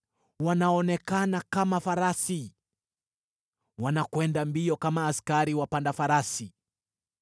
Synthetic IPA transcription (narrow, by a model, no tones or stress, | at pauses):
wanaɔnɛkanakamafaɾasi | wanakwɛndambiɔkamaːskaɾiwapandafaɾasi